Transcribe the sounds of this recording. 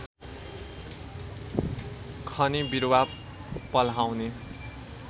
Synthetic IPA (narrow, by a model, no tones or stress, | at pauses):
kʰʌnibiɾwa | pʌlɦawne